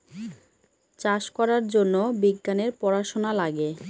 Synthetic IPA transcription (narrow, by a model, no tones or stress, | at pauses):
t͡ɕaʃkɔɾaɾd͡ʑonːobiɡːaneɾpɔɾaʃonalaɡe